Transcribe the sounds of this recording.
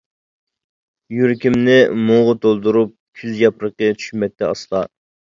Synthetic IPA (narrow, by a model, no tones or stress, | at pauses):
jyɾkʲimnɪmoʁət̪ʰolˠd̪uɾup̚kʲʰyzjɑpɾəqət͡ʃʰy̥ʃmɛt̪ʰːɛɑ̰slˠɑ